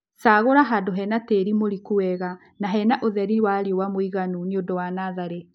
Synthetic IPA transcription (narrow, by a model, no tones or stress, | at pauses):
saːɣoɾaɦadoɦɛnateɾimoɾikuwɛɣa | naɦɛnaʔoðɛɾiwaɾiowamoiɣanuniondɔwanaðaɾe